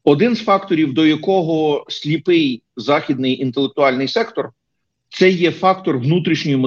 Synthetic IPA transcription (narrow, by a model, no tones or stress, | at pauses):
ɔd̪ɪnzfɑkt̪ɔɾʲiwd̪ɔjɐkɔɦɔsʲlʲipɪj | zɑxʲid̪nɪjint̪elˠek̚t̪ʊɑlʲnɪjsɛkt̪ɔr | t̪sɛjːɛfɑk̚t̪ɔrʋnut̪ɾʲiʃnʲɔjʊmɔ